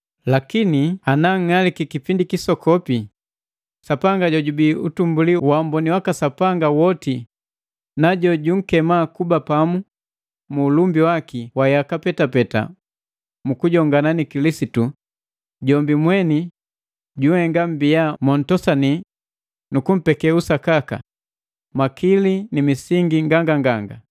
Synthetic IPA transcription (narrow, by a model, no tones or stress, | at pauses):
lakinianaŋ̩ŋalikikipindikisɔkʰɔpi | sapaŋɡaɟɔɟubiutumbuliwambɔniwakasapaŋɡawɔti | naɟɔɟuŋ̩kɛmakubapamu | muːlumbiwakiwajakapɛtapɛta̰ | mukuɟɔŋɡananikilisitu | ɟɔmbimwɛni | ɟuhɛŋɡam̩bijamɔn̩tɔsani | nukum̩pɛkɛusakaka̰ | makilinimisiŋɡiŋɡaŋɡaŋɡaŋɡa